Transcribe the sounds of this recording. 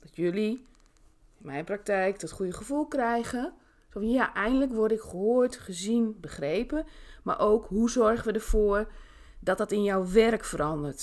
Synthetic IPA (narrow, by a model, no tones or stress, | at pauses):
d̥ɔtjøli | ɪnmɛjnprak̚tɛjkd̥ɔtχujəχəfulˠkrɛjɣə | sofnjaʔɛjndələkʋɔrdɪkχəɦoːətχəzinbəχreːpəma̰ɹʔowkɦhuzɔrχənʋədərv̥oːr | dɔt̚dɔtɪnjɔwʋɛrkfəɾɔndərt